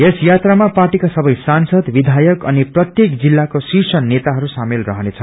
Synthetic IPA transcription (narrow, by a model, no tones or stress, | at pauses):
esjat̪ramaparʈikasʌbʌjsansʌd̪bid̪ʱajʌkʌniprʌt̪jekd͡zilːakosisʌnːet̪aɦʌɾusamelrʌɦʌnet͡sʰʌ